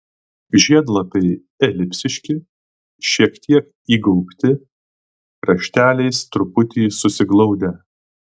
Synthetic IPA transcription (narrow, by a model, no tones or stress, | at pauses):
ʒʲiɛd̪lˠɐpʲɛɪ | ɛlʲɪpʲsʲɪʃʲkʲɪ | ʃʲiɛkt̪ʲʰiɛk | iːɡɔʊpʲt̪ʲɪ | ɾɐʃʲt̪ʲæːlʲɛɪst̪ɾʊpʊt̪ʲiːsʊsʲɪɡlˠɔʊd̪ʲɛ